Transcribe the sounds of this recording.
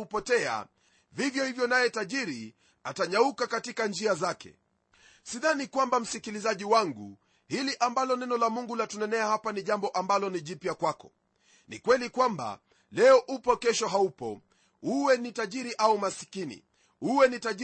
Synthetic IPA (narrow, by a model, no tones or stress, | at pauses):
upɔtɛa̰ | vivjɔhivjɔnajɛtaʄiɾi | ataɲaukakatikand͡ʒiazakɛ̰ | siðanikwambam̩sikilizaʄiwaŋɡṵ | hiliʔambalɔnɛnɔlamuŋɡulatunɛnɛahapaniʄambɔʔambalɔniʄipjakwakɔ̥ | nḭkwɛlikwamba̰ | lɛɔʔupɔkɛʃɔɦaupɔ̰ | uwɛnitaʄiɾiʔaumasi̥kinḭ | uwɛnitaʄ